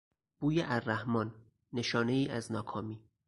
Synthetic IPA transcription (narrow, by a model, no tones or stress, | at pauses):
b̥uːjeʔærːæhmɒːnː | e̞ʃɒːne̞iːʔæznɒːkʰɒːmiː